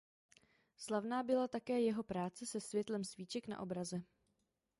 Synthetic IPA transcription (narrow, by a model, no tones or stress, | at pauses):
slavnaːbɪlat̪akɛːjɛɦo̞pɾaːt͡sɛsɛsvjɛt̪lɛmsviːt͡ʃɛkna̰ʔo̞bɾazɛ